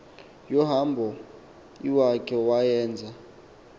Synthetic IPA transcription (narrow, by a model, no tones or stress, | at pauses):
jɔɦambʱɔ | iwakʰʼɛwajɛːnd͡zʱa